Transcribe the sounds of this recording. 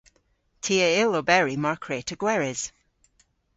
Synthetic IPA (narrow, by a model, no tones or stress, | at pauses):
tʰiːəɪlobɛɹimaɹkʰɹeːtʰəɡ̥wɛɹɪz̥